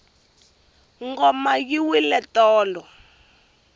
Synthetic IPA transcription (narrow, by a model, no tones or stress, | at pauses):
ŋɡɔmajiwilɛtɔːlɔ